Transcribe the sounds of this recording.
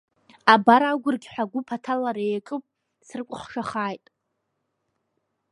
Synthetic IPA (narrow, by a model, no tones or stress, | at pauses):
abaɾaɡʷʊrɡʲħʷᶣaɡʷʊpʰatʰalaɾejkʼɨpʼ | srkʷʼʊχʂaχaːjtʼ